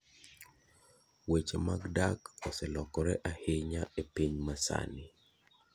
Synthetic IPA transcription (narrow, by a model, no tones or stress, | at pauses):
wet͡ʃemaɡdakɔsɛlɔkɔɾɛʔahɪɲaepiɲmasa̰nɪ